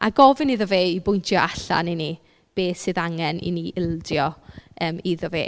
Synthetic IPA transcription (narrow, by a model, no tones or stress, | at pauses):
ʔa̰ɡɔvɪniðəveːibʊjntʰjɔʔaɬa̰nini | b̥eːsɨðaŋɛnḭniʔɪlˠdjɔəːmiðəvḛː